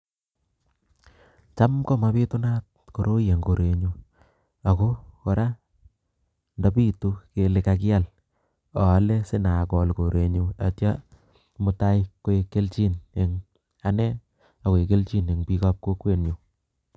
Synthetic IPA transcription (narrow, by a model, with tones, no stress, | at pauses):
t͡ʃa˦mkɔ˦˨ma˨˦pi˦tʊ˦na˦t̚ko˨ɾo˦je˨ŋko˨ɾe˨ɲu˧ | a˨ko˦ko˨ɾa˦ | nda˨pi˦tu˦ke˨le˨ka˧k̬ɪ˦a˦˨l | ɔ˨a˦le˦sɪ˦na˨kɔ˨lko˨ɾe˨ɲu˨a˨tja˦ | mʊ˨ta˦jko˦e˧ke˦lt͡ʃi˦ne˨ŋ | a˨nɛ˦ | a˨ko˨e˨ke˦lt͡ʃi˦ne˨ŋpi˦ka˦p̚ko˦kwe˦˨nju˨